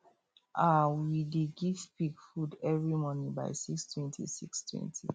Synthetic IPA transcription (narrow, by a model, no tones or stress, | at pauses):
ʔawideɡiv̥piɡfudɛvɹimɔnĩba̰ɪsikstʰwɛ̃ntʰḭsikstwɛ̰̃ntʰi